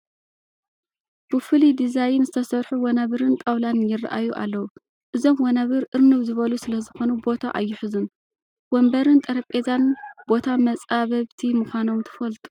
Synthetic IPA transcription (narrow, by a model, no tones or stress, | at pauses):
b̥ɨfɨlid̪izajɪnzɨt̪ʰɐsɐɾħuwɐnaβɨɾɨnt̪ʼɐwlanjɪrːa̰ʔa̰juʔa̰lːɐwu | ʔɨzo̞mwɐnaβɨɾʔɨɾnɨβzɨβɐlusɨlɐzɨxo̞nubo̞t̪ʰaʔajːɪħɨzun | wombɐɾɨnt̪ʼɐɾɐpʼezanb̥o̞t̪ʰamɐt͡sʼaβɐβt̪ʰimuxʷano̞mt̪ʰɨ̥fɐlt̪ʼu̥